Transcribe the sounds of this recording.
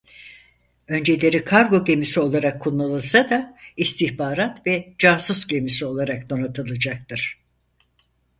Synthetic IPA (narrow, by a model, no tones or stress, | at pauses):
ø̞nd͡ʒe̞lʲe̞ɾikʰaɾɡo̞ɟe̞misio̞lˠaɾakʰːunalˠɯsad̪aist̪ʰiçbaːɾat̪vɛd͡ʒaːsusɟe̞misio̞lˠaɾakd̪o̞nat̪ʰɯlˠɯd͡ʒak̚t̪ɯɾ̥